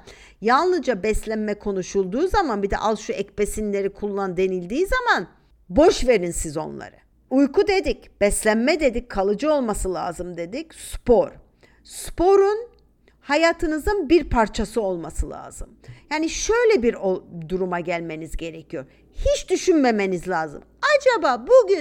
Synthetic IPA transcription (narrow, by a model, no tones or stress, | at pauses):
janˠlˠɯd͡ʒabɛslʲænmɛkʰo̞nuʃulˠd̪uːzamanbid̪ɛ̰ʔalˠʃuɛcpesinlʲe̞ɾikʰulˠːand̪e̞nilʲd̪iːzaman | bo̞ʃve̞ɾinsizo̞̰nlˠa̰ɾɯ̰ | ujkʰud̪e̞d̪ic | b̥ɛslʲænmɛd̪e̞d̪icʰːalˠɯd͡ʒɯo̞lˠmasɯlˠa̰ːzɯmd̪e̞d̪icspoɾ | spʰo̞ɾun | hajaːt̪ʰɯnɯzɯnbiɾpʰaɾt͡ʃʰasɯo̞lˠmasɯlˠa̰ːz̥ɯmjaːniʃø̞jlʲɛbiɾod̪uɾumaɟælʲme̞nizɟe̞ɾecʰijo̞ɾ | hit͡ʃd̪yʃynme̞me̞nizlʲaːzɯ̰mad͡ʒabaːbuɟy